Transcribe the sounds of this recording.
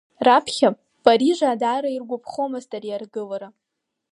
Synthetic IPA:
rapʰχʲapʼ | pʼaɾiʐaːdaːɾairɡʷapʰχomaztʼarjarɡɨlaɾa

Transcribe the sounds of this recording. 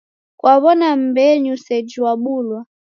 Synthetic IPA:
kwaβɔnam̩bɛɲusɛd͡ʒiwaɓuːlwa

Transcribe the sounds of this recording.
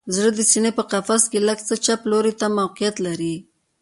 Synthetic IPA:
zɽəd̪əsinepəqafaskeləɡt͡sət͡ʃaploɾet̪amawqijat̪laɾi

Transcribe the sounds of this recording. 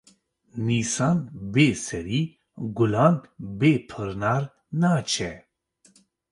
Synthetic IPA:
nisaːnbesɛɾiː | ɡulaːnbeːpʰɨɾnaːɾ | naːt͡ʃʰɛ

